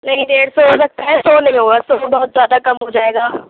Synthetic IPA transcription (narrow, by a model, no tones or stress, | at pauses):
nɐɦĩd̪eːɽsɔɦos̬ɐk̚t̪aɦɛsɔːnɐɦĩɦoːɡaːsɔːbɐɦʊt̪zʲjaːd̪akɐmɦod͡ʒaːeːɡaː